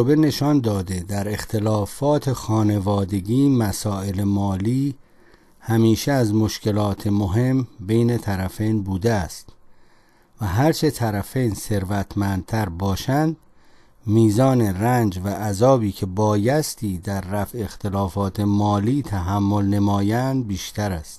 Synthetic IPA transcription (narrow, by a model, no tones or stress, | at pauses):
obene̞ʃɒnd̪ɒːd̪ed̪æɾe̞xt̪ʰe̞lɒːfɒːt̪ʰe̞xɒːne̞vɒːd̪e̞ɡiːmæsɒːe̞lemɒːliː | hæmiːʃeæzmo̞ʃce̞lɒːt̪ʰe̞moɦe̞mbejne̞t̪ʰæɾæfejnbuːd̪eæst̪ | væɦæɾt͡ʃʰe̞t̪ʰæɾæfejnse̞ɾvæt̪ʰmænd̪̚t̪ʰæɾbɒːʃænd̪ | miːzɒːne̞rænd͡ʒvæʔːzɒːbiːcʰe̞bɒːjæst̪ʰiːd̪æɾːæfe̞xt̪ʰe̞lɒːfɒːt̪ʰe̞mɒːliːt̪ʰæɦæmːo̞lne̞mɒːjænd̪̚biːʃt̪ʰæɾæst̪